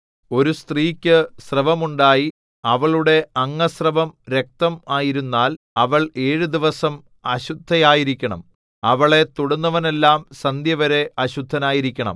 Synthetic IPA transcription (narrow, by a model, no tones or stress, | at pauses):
o̞ɾust̪riːkʲːɨsrɐʋɐmuɳɖaːji | ɐʋɐɭuɽe̞ɐŋːɐsrɐʋɐmɾe̞k̚t̪ɐmaːjiɾunːaːl | ɐʋɐɭe̞ːɻud̪iʋɐsɐm | ɐɕud̪ʱːɐjaːjiɾikʲːɐɳɐ̰m | ɐʋɐɭe̞t̪uɽɐnːɐʋɐne̞lːaːmsɐnd̪jɐʋɐɾe̞ʔɐɕud̪ʱːɐnaːjiɾikʲːɐɳɐ̰m